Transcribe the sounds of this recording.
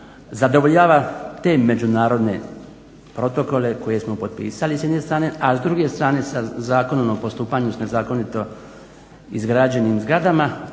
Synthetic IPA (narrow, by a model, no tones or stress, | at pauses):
zad̪o̞ʋoʎaːʋat̪e̞me̞d͡ʑunaːɾo̞d̪ne̞̰ | pɾo̞t̪o̞ko̞le̞ko̞je̞smo̞po̞d̪̚pḭːsalisjd̪ne̞st̪ɾaːne̞ʔazd̪ɾuɡe̞st̪ɾaːne̞sazaːkonomopo̞st̪uːpaɲusne̞zaːko̞nit̪o̞ | izɡɾad͡ʑe̞nimzɡɾad̪ama